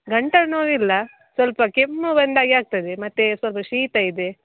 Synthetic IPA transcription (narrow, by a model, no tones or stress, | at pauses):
ɡɐɳʈɐnoːɾilːɐ | sʋɐlpɐkemːubɐnd̪aːɡiaːɡ̚t̪ɐd̪emɐt̪ːesʋɐlpɐʃiːt̪ɐid̪e